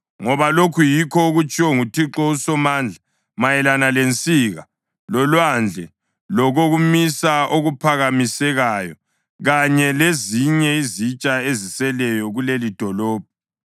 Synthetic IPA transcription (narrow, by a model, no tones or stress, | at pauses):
ŋɔβalokʰujikʰɔɣut͡ʃʼiwɔŋutʰiǁɔusɔmaːnd͡ɮʱa | majɛlanalent͡sʼiɣa | lɔlwand͡ɮʱɛ | lɔɣoɣumisaoɣupʰaɣamisɛɣaːjɔ | ɣaɲɛleziɲɛizit͡ʃʼaezisɛlɛjɔɣulelid̥ʱɔlɔːb̥̚ʱɔ